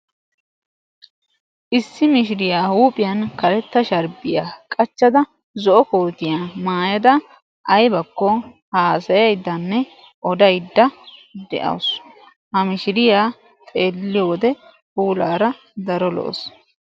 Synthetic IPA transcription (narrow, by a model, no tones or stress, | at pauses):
ʔɪsːɪmɪʃɪɾɪjaːhuːpʼɪjɐnkɐɾɛt̪ːɐʃɐɾbɪjaːkʼɐt͡ʃːɐd̪ɐ | zɔʔɔkoːt̪ɪjaːmaːjɐd̪ɐ | ʔɐjbɐkːɔ | haːsɐjɐjd̪ːɐnːɛ | ʔɔd̪ɐjd̪ːɐd̪ɛ̰ʔɐ̰ws | hɐmɪʃɪɾɪjaː | t̪ʼe̞ːlːɪjod̪ɛ | huːlaːɾɐ | d̪ɐɾɔlɔ̰ʔɔ̰s